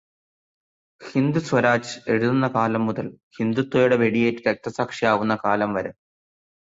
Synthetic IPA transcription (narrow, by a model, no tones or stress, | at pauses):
hind̪uswɐɾaːt͡ɕɨe̞ɻuðunːɐkaːlɐmːuðɐlhind̪ut̪ːɐjuɽe̞ʋe̞ɽijeːtːɨɾek̚t̪ɐsaːkʂijaːʋunːɐkaːlɐmʋɐɾɐ